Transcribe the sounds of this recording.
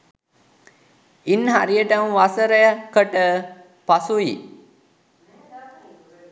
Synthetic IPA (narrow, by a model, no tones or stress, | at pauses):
inːɦaɾijəʈəmʋasəɾəjəkəʈə | pasuji